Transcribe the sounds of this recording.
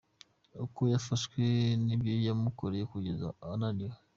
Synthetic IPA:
ukojafaskwenibjojamukoɾeekuɟeza̰ananiwa

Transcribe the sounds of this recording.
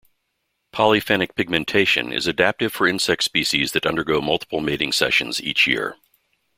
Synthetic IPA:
pʰɑlˠifɛnɨk̚pʰɪɡ̚mɨ̃ntʰeɪʃɨ̰̃nɪ̰zɨdæp̚tɨd̥fə˞ɪ̃nsɛk̚tspiʃizðɨɾʌ̃ndə˞ɡoʊmʌlˠtʰə̥pʰl̩ˠmeɪɾɪ̃ŋsɛ̰ʃɨ̰̃n̩zḭt͡ʃjɪ̰ɹ

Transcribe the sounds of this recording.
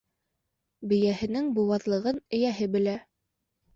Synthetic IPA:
bɘ̆jæhɘ̆nɘŋbuwɑðlˠɤ̆ʁɤnɵ̆jæɦɘbɘ̆læ

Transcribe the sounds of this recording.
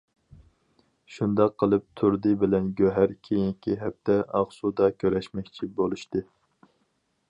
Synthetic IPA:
ʃund̪ɑqʰːəlˠɨp̚t̪ʰuɾd̪ɨbɪlɛnɡʲøɦæɾkʲʰejinkʲʰiɦɛp̚t̪ɛɑʁsud̪ɑkʲʰøɾɛʃmɛkʲt͡ʃʰibolˠuʃt̪ɨ

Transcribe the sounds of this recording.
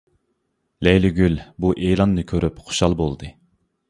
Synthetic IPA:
lɛjlɪɡʲylbuʔeːlˠɑnːɨkʲʰøɾypχo̥ʃɑlˠbolˠd̪ɨ

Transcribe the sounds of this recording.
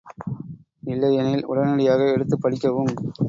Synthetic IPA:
ɪlːɐjɛnɪlʊ̰ɽɐnɐɽɪjaːɣɐɛɽɯt̪ːɯpːɐɽɪkʲːɐʋɯm

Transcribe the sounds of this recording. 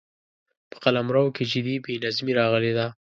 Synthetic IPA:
pə̥qalamɾawked͡ʒɪd̪ibenazmiɾɑɣəled̪a

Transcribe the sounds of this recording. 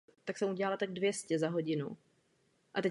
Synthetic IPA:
t̪aksɛmuɟɛlalat̪aɡ̚dvjɛscɛzaɦo̞ɟɪnu | ʔat̪ɛ

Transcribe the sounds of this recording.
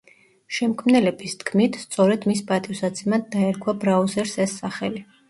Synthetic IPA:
ʃɛmkʰmnɛlɛbist̪kʰmit̪ʰst̪sʼɔɾɛd̪mispʼat̪ʼifsad̪sʰʼimad̪ːaɛɾkʰwabɾaɔzɛɾsɛsːaχɛli

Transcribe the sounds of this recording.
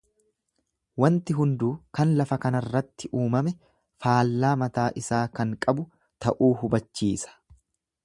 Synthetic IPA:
wɐnt̪ɪɦʊnd̪uːkɐnlɐfɐkɐnɐrːɐt̪ːɪʔuːmɐmɛ | faːlːaːmɐt̪aːʔɪsaːkɐŋkʼɐbʊ | t̪ɐʔuːhʊbɐt͡ʃːiːsɐ̥

